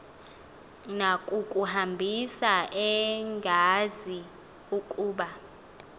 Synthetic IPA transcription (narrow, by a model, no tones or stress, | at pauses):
nakʼukʼuhambʱisaʔɛŋɡʱazi | ukʼuːɓa